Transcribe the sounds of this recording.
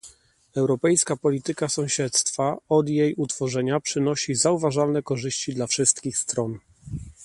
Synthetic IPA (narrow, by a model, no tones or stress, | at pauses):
ɛwɾɔpɛjskapɔlʲit̪ɘkasɔ̃w̃ɕɛt̪st̪faɔd̪jejut̪fɔʐɛɲapʂɘnɔɕizauvaʐalnɛkɔʐɘɕt͡ɕid̪lafʂɘst̪̚kʲixst̪ɾɔn